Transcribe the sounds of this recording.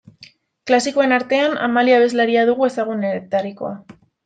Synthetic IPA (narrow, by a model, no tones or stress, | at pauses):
klasiko̞e̞naɾt̪e̞ana̰maliaβe̞zlaɾiaðuɣ̞ue̞saɣ̞uneɾet̪ariko̞̰a